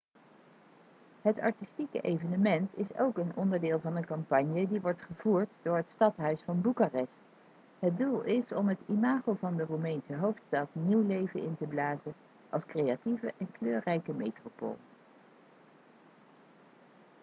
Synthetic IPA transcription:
ɦətɑ̰ɹtistikə̰ʔejvənəmɛntɪso̰wkənɔndəɹdɪːlˠvɑnənkɑmpɑɲjədiʋɔɹtχəvuːɹtdʊːɹɦətstɑtɦœɥsfɑnbukarɛst | ɦət̚dulˠɪsɔmɦətimaːχolˠvɑndərumɛjnsəɦowftstɑtniwlejvənɪntəblaːzə | ʔɑ̰lˠskrejativəʔɛnkløːrɛjkəmejtropo̰ːlˠ

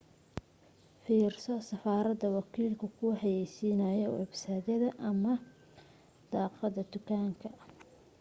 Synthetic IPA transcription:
fiːrsɔsɐfaːɾɐd̪ɐwɑkʰiːlkʰʊkʰuːhɐjɛjsiːnɐːjɔ̰ɛbsaːdɐðɐʔɐmɐ | d̪̥ɑːqɑðɐd̪ʊkʰaːŋkʰɐ

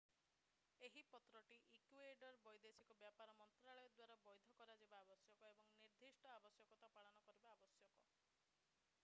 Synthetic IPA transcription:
eɦipɔt̪ɾɔʈiʔikueɖɔɾbɔjd̪esikɔbjapaɾɔmɔnt̪ɾaɭɔjɔd̪waɾabɔjd̪ʱɔkɔɾad͡ʒebaːbɔsjɔkɔebɔŋniɾd̪ʱisʈɔabɔsjɔkɔt̪apaɭɔnɔkɔɾibaːbɔsjɔkɔ

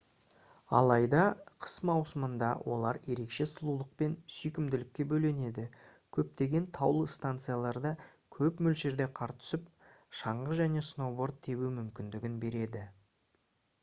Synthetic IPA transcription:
ɑ̰lˠɑjd̪ɑqʰə̥smɑwsəmənd̪ɑ̰wʔo̞̰lˠɑɾje̞ɾe̞kʃe̞sʊlˠulˠəq̚pe̞nsʏjkʲɪmd̪ɪlɪkʲːe̞bɵle̞ne̞d̪ɪkʲʰɵp̚t̪e̞ɡʲe̞nt̪ʰɑwlˠəst̪ant̪sɨijalˠɑɾd̪ɑ | kʲʰɵpmʏlʒe̞ɾd̪e̞qʰɑɾt̪ʰʏ̥sɪp | ʃɑɴʁəʒæne̞sno̞bo̞ɾt̪̚t̪ʰːe̞bumʏmkʲɪnd̪ɪɡʲɪnbe̞ɾe̞d̪ɪ

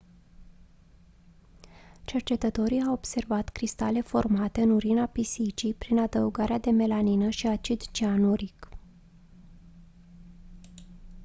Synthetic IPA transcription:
t͡ʃe̞rt͡ʃe̞t̪ət̪o̞ɾijawobse̞rvat̪kɾist̪ale̞fo̞rmat̪e̞ɨnuɾinapisit͡ʃijpɾinad̪əuɡaɾead̪e̞me̞laninəʃiat͡ʃid̪t͡ʃianuɾik

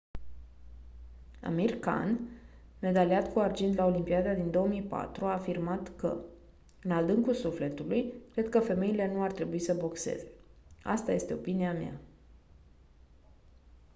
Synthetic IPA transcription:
a̰mirka̰nme̞d̪aliat̪kuard͡ʒind̪lao̞limpiad̪ad̪ind̪o̞omijpa̰t̪ɾuaːfirmat̪kə̰ | ɨnad̪ɨŋkulsufle̞t̪ulujkɾe̞d̪kəfe̞me̞ile̞nuart̪ɾe̞buisəbo̞kse̞̰ze̞a̰st̪aje̞st̪e̞o̞̰piniamja̰

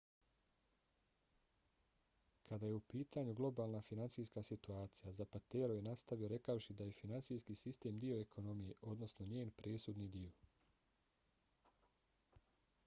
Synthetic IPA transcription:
kʰad̪ajeupiːt̪aːɲuɡlˠo̞baːlˠnafinansiːjskasit̪uaːt̪sijazapat̪e̞ːɾojenast̪aʋijo̞ɾe̞kawʃid̪aje̞finansijskisist̪e̞ːmd̪ioekʰo̞no̞mije̞ʔo̞d̪no̞sno̞ɲe̞ːnpɾe̞ːsud̪nid̪io

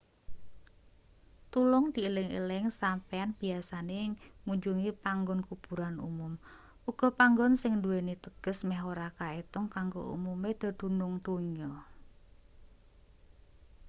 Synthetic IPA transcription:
t̪ulʊŋd̪̥iːlɪŋḛlɪŋsampeanb̥iasanemuɲd͡ʒuŋipaŋɡɔnkub̥ṳɾanṵmʊm | uɡ̥ɔ̤paŋɡɔnsɪŋnd̪uwenit̪əɡ̥ə̤smɛɦoɾakaet̪ʊŋkaŋɡo̰ṵmumed̪̥a̤d̪̥ṳnʊŋd̪̥oɲɔ

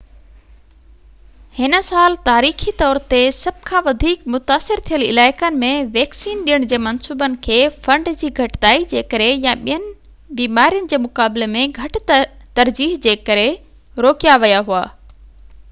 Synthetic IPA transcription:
hɪnə̆saːlt̪aːɾiːxit̪ɔːɾt̪esɐb̚ʱkʰãːʋɐd̪ʱiːkmʊt̪aːsɪɾt̪ʰijəlɪ̰laːɪkənɪ̆mẽʋɛːksiːnɗijəɽ̃d͡ʑeːmɐnsuːbənɪ̆kʰeːfɐ̃ɳɖd͡ʑiːɡʱɐʈt̪aːid͡ʑeːkəɾejãɓijənɪ̆ | biːmaːɾijənɪ̆d͡ʑeːmʊkaːblemẽɡʱɐʈt̪ɐɾd͡ʑiːɦd͡ʑeːkɐɾe | ɾoːkijaʋijaɦuaː

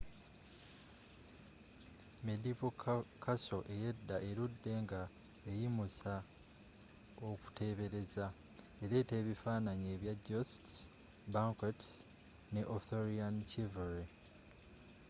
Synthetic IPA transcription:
medivokʰkaso̞ʔe̞jedːaʔe̞ɾudːe̞ŋɡa | ejimusa | oku̥te̞βe̞ɾe̞za | eɾe̞ːte̞ːβifaːnaɲe̞ːβjaɟost | baŋkot | ne̞ʔoθoɾiant͡ʃiveɾi

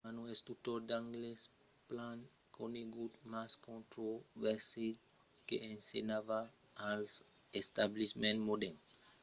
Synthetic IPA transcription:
anũest̪ut̪oɾd̪ãŋɡles | plãn | kʰoneɡud̪maskõnt̪ɾovɛɾsil | kḛẽnsenava | al | est̪ablismẽnt̪mod̪ɛn

